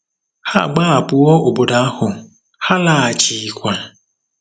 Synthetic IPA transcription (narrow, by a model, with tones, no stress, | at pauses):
ha̰˦˨ɡ͡ba˦a˨pʊ˨ɔ˦o˨bo˨da˨a˦hʊ˨ | ha˦la˨a˨t͡ʃi˨kʷa˨